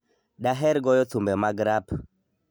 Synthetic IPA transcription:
ɗaɦɛɾɡɔjɔt̪ʰumbɛmaɡɾap

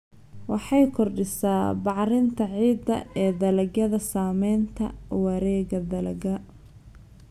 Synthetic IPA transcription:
wɑħɑjkʰɔrɖɪsaːbɑʕɾɪnt̪ʰɐʕiːd̪ɐ̰ɛːd̪ɐlɐɡɐðɐsaːmɛjnt̪ʰɐ̰wɐɾɛːɣɐd̪ɐlɐɡɐ

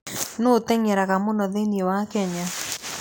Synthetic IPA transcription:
notɛŋɛɾaɣamonɔðeniewakɛɲa

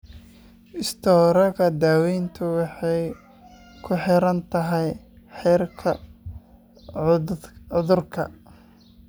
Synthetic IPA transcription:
ʔɪst̪ʰɔːɾɐɣɐd̪aːwɛjnt̪ʰʊwɑħɑj | kʰʊħɪɾɐnt̪ʰɐɦɛj | ħɛːrkʰɐ | ʊðʊrkʰɐ̰

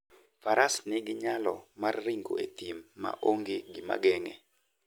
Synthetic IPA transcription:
faɾasnɪɡɪɲalɔmarːiŋɡo̰et̪imːa̰ʔoŋɡeɡɪma̰ɡɛŋɛ

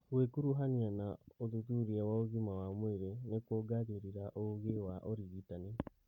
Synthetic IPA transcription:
ɣwekuɾuɦanianaoðutuɾiɛwaoɣimawamweɾenekwoɡaɣeɾiɾaʔoɣewaʔɔɾiɣitane

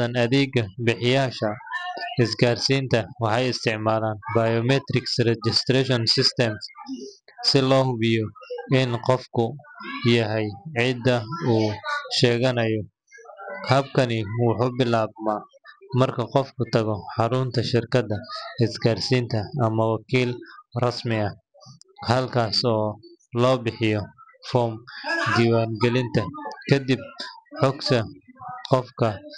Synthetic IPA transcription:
ɐnɐðiːɡɐbɪħɪjaːʃɐɪsɡaːrsiːnt̪ʰɐwɑħɑjɪst̪ʰɪʕmaːlaːnbɐjɔmɛt̪ɾɪksrɛd͡ʒɪst̪rɛʃɔnsɪst̪ʰɛms | sɪlɔːɦʊβɪjɔɪnqɔfkʰʊjɐɦɛjʕɪd̪ɐuːʃɛːɣɐnɐjɔ | hɐb̚kʰɐnɪwɑħuːbɪlaːbmaː | mɐrkʰɐqɔfkʰʊt̪ʰɐɣɔħɑɾʊnt̪ʰɐʃɪrkʰɐd̪ɐɪsɡaːrsiːnt̪ʰɐɐmɐwɑkʰiːlrɐsmɪɐ | hɐlkʰaːsɔː | lɔːbɪħɪjɔ | fɔːmd̪iːwaːŋɡɛlɪnt̪ʰɐkʰɐd̪ɪb̚ħɔɡsʰɐqɔfkʰɐ

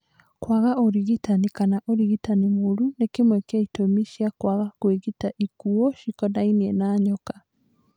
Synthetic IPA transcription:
kwaɣaʔoɾiɣitanikanaʔoɾiɣitanimoɾunekemwɛkeaitomiʃiakwaɣakweɣitaʔikuɔʃikɔdainiɛnaːɲɔkḁ

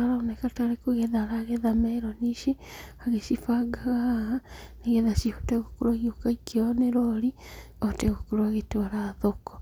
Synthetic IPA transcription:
aɾaonɛkataɾekoɣɛðaɾaːɣɛðamɛɾɔniʃeaɣeʃifaɡaɣahaneɣɛðaʃiho̥teɣokoɾwaɣiokaikeɔneɾɔɾi | ɔteɣokoɾwaɣetoɾaðokɔ̥

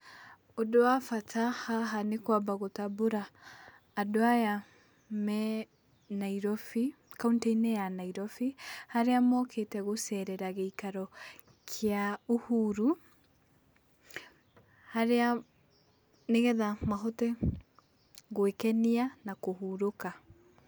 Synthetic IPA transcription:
odoafatʰahaɦanekwabaɣotaboɾaː | doaja | mɛ | naiɾɔfi | kaunteinɛjanaiɾɔfihaɾeamɔkʰetɛɣosɛɾɛɾaɣeikaɾɔ | kʰeaohuːɾu | haɾea | neɣɛðamaɦɔtɛ | ɣwekɛnianakohuɾoka

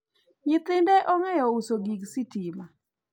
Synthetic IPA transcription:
ɲɪt̪ɪndɛʔɔŋɛjɔusoɡiɡsitima

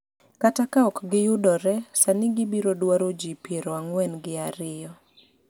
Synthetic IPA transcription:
katakaɔkɡɪjʊdɔɾɛsanɪɡɪbiɾodwaɾod͡ʒipjeɾoaŋwɛnɡɪaɾɪjɔ

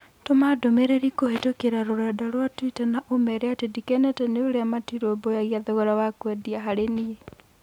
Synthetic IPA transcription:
tomadomeɾeɾikohetokeɾaɾoɾadaɾwatwitɛnaʔomɛɾeatedikɛnɛtɛneoɾeamatiɾobojaɣiaðɔɣɔɾawakwɛdiaɦaɾenie

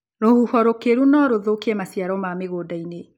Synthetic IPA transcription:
ɾohuhɔɾokeɾunɔɾoðokiɛmasjaɾɔmameɣoːdaine

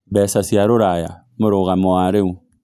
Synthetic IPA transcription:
bɛsasiaɾoɾaja | moɾoɣamoaɾeu

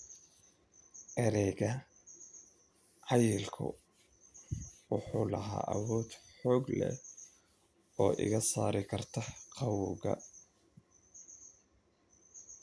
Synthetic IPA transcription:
ʔɛɾɛɣɐ | ʕɑjɪlkʰʊ̰ | wʊħuːlɐɦa̰ːʔɐwɔːd̪ħɔːɡlɛ̰ | ɔːʔɪ̰ɣɐsaːɾɪkʰɐrt̪ʰɐqʰɑwʊɣɐ̰

